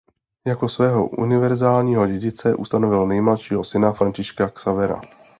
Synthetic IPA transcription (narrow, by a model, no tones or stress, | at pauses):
jako̞svɛːɦo̞̰ʔṵnɪvɛɾzaːlɲiːɦoɟɛɟɪt͡sɛʔṵst̪anovɪlnɛjmlaʃiːɦosɪnafɾancɪʃkaksavɛɾa̰